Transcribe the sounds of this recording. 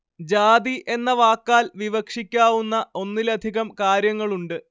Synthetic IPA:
d͡ʑaːd̪iʔe̞nːɐʋaːkːaːlʋiʋɐkʂikʲːaːʋunːɐo̞nːilɐd̪ʱiɣɐmkaːɾjɐŋːɐɭuɳɖɨ

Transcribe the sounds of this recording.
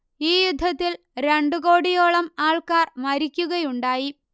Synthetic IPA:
iːjud̪ʱːɐt̪ːil | ɾe̞ɳɖuɣo̞ːɽijoːɭɐmaːɭkaːrmɐɾikʲːuɣɐjuɳɖaːji

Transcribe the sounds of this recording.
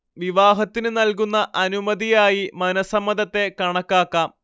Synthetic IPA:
ʋiʋaːɦɐt̪ːinɨnɐlk̬unːɐʔɐnumɐðijaːjimɐnɐsɐmːɐðɐt̪ːe̞kɐɳɐkːaːkːaːm

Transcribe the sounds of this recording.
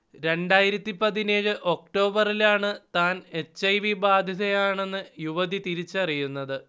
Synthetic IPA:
ɾe̞ɳɖaːjiɾɐt̪ːipɐðine̞ːɣɨʔo̞k̚ʈo̞ːbɐrilaːɳɨt̪aːne̞t͡ɕːɐjʋibaːd̪ʱjɐðɐjaːɳe̞nːɨjuʋɐðit̪iɾit͡ɕːɐrijunːɐðɨ

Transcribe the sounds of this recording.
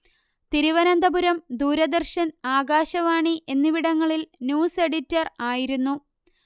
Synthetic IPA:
t̪iɾiʋɐnɐnd̪ɐbuɾɐmd̪uːɾɐd̪ɐrʂɐnaːɡaːɕɐʋaːɳiʔe̞nːiʋiɽɐŋːɐɭilnjuːse̞ɽitːɐraːjiɾunːu

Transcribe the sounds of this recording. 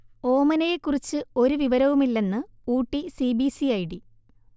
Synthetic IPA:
o̞ːmɐnɐjekːurit͡ɕːɨo̞ɾuʋiʋɐɾɐʋumilːe̞nːɨuːʈːisibisiɐjiɽi

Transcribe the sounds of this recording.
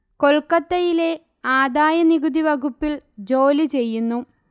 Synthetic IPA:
ko̞ɭkɐt̪ːɐjile̞ | aːd̪aːjɐniɡud̪iʋɐɡupːild͡ʑo̞ːlit͡ɕe̞jːunːu

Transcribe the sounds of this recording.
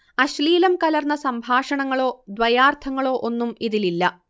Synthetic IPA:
ɐɕliːlɐmkɐlɐrnːɐsɐmbʱaːʂɐɳɐŋːɐɭo̞ːd̪ʋɐjaːrt̪ʰɐŋːɐɭo̞ːʔo̞nːumiðililːɐ

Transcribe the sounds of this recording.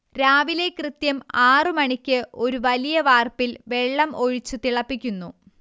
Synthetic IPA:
ɾaːʋile̞krɨt̪jɐmaːrɨmɐɳikʲːɨo̞ɾuʋɐlijɐʋaːrpilʋe̞ɭːɐmʔo̞ɻit͡ɕːut̪iɭɐpːikʲːunːu

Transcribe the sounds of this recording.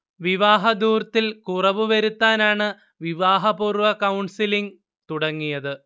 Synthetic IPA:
ʋiʋaːɦɐd̪uːrt̪ːilkurɐʋɨʋɐɾut̪ːaːnaːɳɨ | ʋiʋaːɦɐpuːrʋɐkɐwɳsiliŋ | t̪uɽɐŋːijɐðɨ

